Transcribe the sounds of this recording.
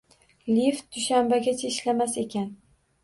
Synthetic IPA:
lift̪̚d̪̥ʊʃambaɡʲat͡ʃʰeʃlamase̞kʲʰan

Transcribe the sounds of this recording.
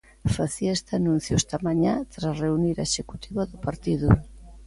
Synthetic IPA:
faθiaest̪anũn̟θjoest̪amaɲat̪ɾareuniɾaeʃeku̥t̪iβaðʊpaɾt̪iðʊ

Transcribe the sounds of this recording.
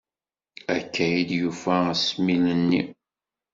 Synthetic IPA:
ækːæjid̪jufæsminənːi

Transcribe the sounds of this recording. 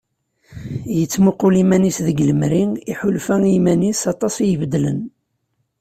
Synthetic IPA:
jət͡sːmuqulimænisðəɡləmɾiiħʊlfæimænisɑt̪ˤɑsˤjəvəd̪ːlə̰n

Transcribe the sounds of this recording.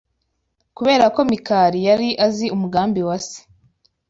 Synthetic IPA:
kuβe̞ːɾako̞mikaːɾijaɾiʔaziumuɡaːmbiwasi̥

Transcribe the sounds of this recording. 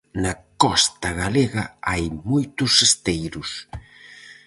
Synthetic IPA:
nɐkɔst̪ɐɣaleɣɐajmojt̪ʊsest̪ejɾʊs

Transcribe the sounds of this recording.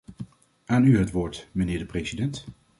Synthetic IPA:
aːnyɦətʋoːɹtmənɪːɹdəprejzidɛnt

